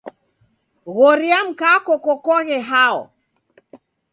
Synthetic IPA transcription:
ɣɔɾiam̩kakɔkɔkɔɣɛɦaɔ̰

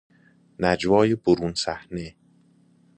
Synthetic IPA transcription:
næd͡ʒvɒːjeboɾuːnsæhne

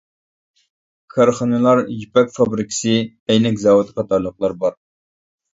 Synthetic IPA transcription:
kʰɑɾχɑnɨlˠɑɾjipɛkʲfɑbɾɨkʲʰɪ̥sɨ | ɛjnɛkʲzɑːwut̪qʰɑt̪ɑɾlˠəqlˠɑɾbɑɾ

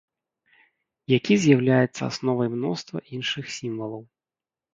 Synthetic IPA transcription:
jakʲizʲjawlʲajɛt̪sːɐ̰a̰snɔvɐjmnɔst̪vɐ̰ʔinʂɨxsʲimvɐlˠɐw

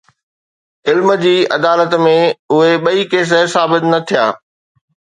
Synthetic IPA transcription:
ɪlmə̆d͡ʑiːɐ̰d̪aːlət̪mẽʊɦeɓɐikeːs̬əsaːbɪt̪nɐt̪ʰija̰ː

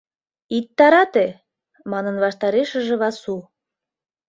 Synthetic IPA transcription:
it̪ːɑɾɑt̪e | mɑnənβɑʃt̪ɑɾeʃə̆ʒĕβɑsu

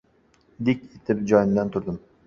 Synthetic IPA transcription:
d̪ekʲet̪ʰɪp̚d͡ʒɒjnd̪ant̪ʰʊɾd̪ɪm

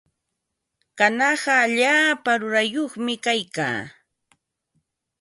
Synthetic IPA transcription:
kanɑɢɑːʎaːpaɾʊɾajoχmɪkajka̰ː

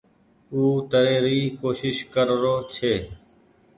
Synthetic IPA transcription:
uːt̪əɾeːɾiːkoːʃɪʃkəɾɾoːt͡ʃʰeː

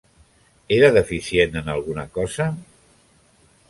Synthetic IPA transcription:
eɾəðəfisjenənalˠɣunakɔzə

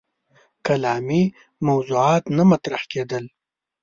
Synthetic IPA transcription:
kalɑːmi | mɐwzuʕɑːt̪namat̪ɾahked̪əl

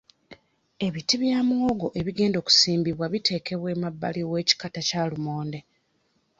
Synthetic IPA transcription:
e̞βitiβjaːmwoɡo̞ʔe̞βiɡe̞ːndo̞ːku̥siːmbiβwaβitʰe̞ːke̞βwe̞ːmabːa̰liwe̞ːci̥katacalumo̞ːnde̞

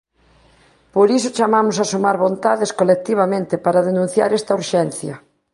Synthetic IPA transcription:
poɾisʊt͡ʃamamʊsasumaɾβont̪aðeskolek̚t̪iβ̞amẽnt̪ɪpaɾɐðenũn̟θja̰ɾɛst̪ɐuɾʃɛnθjɐ

